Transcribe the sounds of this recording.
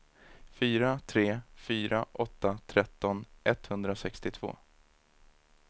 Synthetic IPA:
fyːɾat̪ʰɾeːfyːɾʔaʔɔt̪ːat̪ʰɾɛt̪ːɔnʔɛt̪hɵnd̪ɾasɛkst̪ɪt̪ʰv̥o̰ː

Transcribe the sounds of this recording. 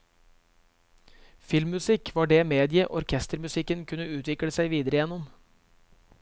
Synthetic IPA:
fɪlmʉsɪkʰʋɑːɖeːmeːd̪ɪəʔɔɾkʰɛst̪əɾmʉsɪkənkʰʉnəʉːt̪ʋɪkɽəsæɪʋiːd̪əɾəjɛnʊm

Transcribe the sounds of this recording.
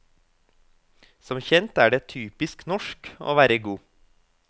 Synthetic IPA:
sɔmçɛnt̪æːɖeːt̪ʰyːpɪsknɔʃko̰ːʋæːɾəɡuː

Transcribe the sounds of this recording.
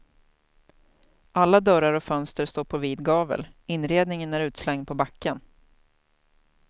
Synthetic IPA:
ʔalːad̪œɾaɾɔfœnst̪əɾst̪oːɾpʰɔviːd̪ɡɑːvə̰lɪnːɾeːd̪nɪŋənæɾʉ̟ːt̪slɛŋd̪̚pʰɔbakːən

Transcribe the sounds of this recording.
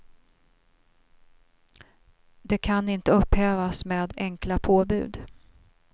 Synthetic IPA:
d̪ɛkʰanɪnt̪əɵphɛːvasmeːd̪ɛŋklapʰoːbʉ̟̰ːd̪

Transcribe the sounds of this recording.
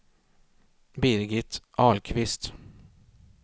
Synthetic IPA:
bɪɾɡɪt̪ʔɑːlkʰvɪst̪

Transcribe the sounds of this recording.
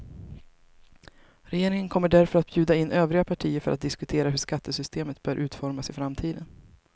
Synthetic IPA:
ɾɛjeːɾɪŋənkʰɔmːəɖæɾfœɾat̪̚bjʉ̟ːd̪aɪnːʔøːvɾɪɡapʰaʈʰiːəɾfœɾʔat̪̚d̪ɪskɵt̪ʰeːɾaɦɵʂkat̪ːəsʏst̪eːmət̪̚bœːɾʔʉ̟ːt̪fɔɾmasɪfɾamt̪ʰiːd̪ən

